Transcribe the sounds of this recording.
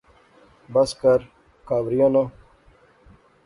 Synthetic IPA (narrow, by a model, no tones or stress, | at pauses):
bɐskɐɾ | kaːbɾijono